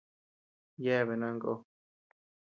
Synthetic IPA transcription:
je˦˨βe˨nã˦ŋɡo̰˦˧

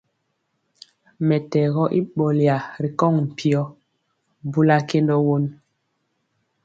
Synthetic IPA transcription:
mɛ˨tɛ˨ɣɔ˦ʔi˦ɓɔ˨lja˨ɾi˨kɔ˦˨ŋm̩˨pʰi˨ɔ˦ | bu˦la˦ke˦ndɔ˦wo˦n

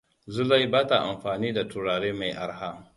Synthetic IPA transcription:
zʊ˦la˦jbaː˦ta˨ʔa˨mɸaː˨niː˦da˨tʊ˨ɽaː˨ɽeː˦ma˨jʔa̰˨ɾɦa˦

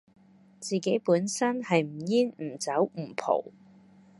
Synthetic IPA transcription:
t͡siː˨ke˨˥jpuː˨˥nsɐ˥nhɐ˨jm̩˨˩jiː˥nm̩˨˩t͡sɐ˨˥wm̩˨˩pʰo̰˨˩w

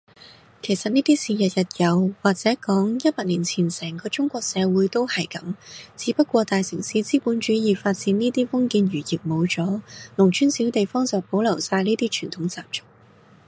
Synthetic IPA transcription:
kʰe˨˩jsɐ˨t̚niː˥t̪iː˥siː˨˩jɐ˨t̚jɐ˨t̚jɐ˨˧wwaː˨k̚t͡sɛː˨˥kɔː˨˥ŋjɐ˥t̚paː˧t̚liː˨˩nt͡sʰiː˨˩nsɛː˨˩ŋkɔː˧t͡ʃʊ˥ŋkʷɔː˧k̚sɛː˨˧wuː˨˥jt̪o˥whɐ˨jkɐ˨˥mt͡siː˨˧˥pɐ˥t̚kʷɔː˧t̪aː˨jsɪ˨˩ŋsi˨˥t͡siː˥puː˨˥nt͡ʃyː˨˥jiː˨˧faː˧t̚t͡siː˨˥niː˥t̪iː˥fʊ˥ŋkiː˧nɥyː˨˩jiː˨p̚mo˨˧wt͡sɔː˨˥lʊ˨˩ŋt͡ʃʰyː˥nsiː˨˥wt̪e˨jfɔː˥ŋsɐ˨˩po˨˧˥wlɐ˨˩wsaː˧jniː˥t̪iː˥t͡ʃʰyː˨˩nt̪ʰʊ˨˥ŋt͡saː˨p̚t͡sʊ̥˥k̚

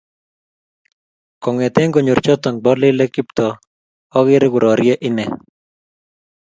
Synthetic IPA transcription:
kɔ˨ŋɛ˨t̪ɛ˦ŋɡo˨ɲʊ˨rt͡ʃɔt̪ɔ˨ŋbɔlɪ˦lɛ˦kɪ˦pt̪ɔː˦ | ɣɪ˦ɾɪɡʊ˨ɾʔɔ˨ɾjɛ˦ʔɪnɛ

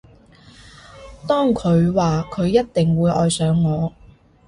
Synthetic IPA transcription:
t̪ɔː˥ŋkʰɵ˨˧ɥwaː˨kʰɵ˨˧ɥjɐ˥t̚t̪ɪ˨ŋwuː˨˧jʔɔ̰ː˨jsœː˨˧˥ŋːɔː˨˧

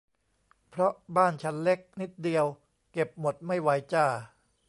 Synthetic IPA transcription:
pʰɾɔ˦˥ʔbaː˥˩nt͡ɕʰa˦˥nle˦˥k̚ni˦˥t̪̚di˧əw | ke˨˩p̚mo˨˩t̪̚ma˥˩jwa˧˥jt͡ɕaː˥˩

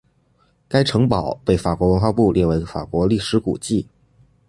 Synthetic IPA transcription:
ka˥ɪʈ͡ʂʰɤ˧˥ŋpɑ˨˩˦ʊpe˥˩ɪfa˨˩kwɔ˧˥wə˧˥nxwa˥˧pu˥˧lʔjɛ˥˩we˧˥ɪfa̰˨˩kwɔ˧˥li˥˩ʂɻ̩˧˥kṵ˨˩t͡ɕi˥˩

